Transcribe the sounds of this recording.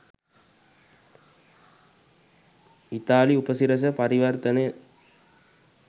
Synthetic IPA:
it̪aːliupəsiɾɐs̬ɐpɐɾiʋɐrt̪ɐne

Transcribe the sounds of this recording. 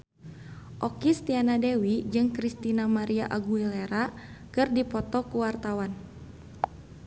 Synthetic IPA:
ʔɔkist̪ianadɛwid͡ʒɨŋkɾist̪inamaɾiaʔaɡuilɛɾakɨrdipɔt̪ɔkuwart̪awan

